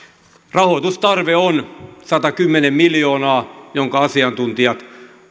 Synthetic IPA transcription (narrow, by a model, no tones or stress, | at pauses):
rɑhot̪ust̪ɑrʋeonsɑt̪ɑkymːenemmiljoːnɑːjoŋkɑɑsiɑnt̪unt̪iɑt̪